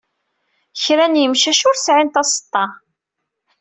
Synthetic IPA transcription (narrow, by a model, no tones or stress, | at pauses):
çɾænjəmʃæʃʊɾsʕint̪ɑsˤə̥t̪ˤːɑ